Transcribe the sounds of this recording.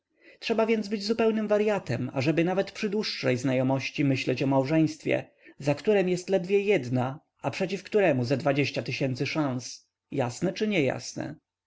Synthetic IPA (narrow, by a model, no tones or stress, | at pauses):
tʂɛbavʲjɛnd̪zbɘd͡ʑzupɛwnɘmvaɾjat̪ɛma̰ʐɛbɘnavɛt̪pʂɘd̪wuʂːɛjznajɔmɔɕt͡ɕimɘɕlɛt͡ɕɔmawʐɛj̃st̪fʲjɛ̰ | zakt̪uɾɛmjɛst̪lɛd̪vʲjɛjɛd̪na | ʔapʂɛt͡ɕifkt̪uɾɛmuzad̪vad͡ʑeɕt͡ɕat̪ɘɕɛnt̪sɘʂãñs | jasnɛt͡ʂɘɲɛja̰snɛ̰